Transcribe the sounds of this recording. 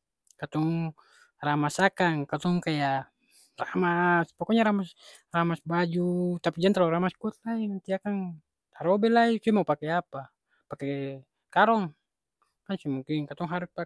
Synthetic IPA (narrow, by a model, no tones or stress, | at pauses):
kat̪ɔŋ | ramasakaŋkat̪ɔŋkaja | ramaspɔkɔɲaɾamas | ramasbad͡ʒut̪apid͡ʒant̪alaɾamaskuɔt̪̚lainant̪iakaŋ | aɾɔbɛlaisɛmaupakɛapa | pakɛ | kaɾɔŋ | kansimuŋkiŋkat̪ɔŋɦaɾuspa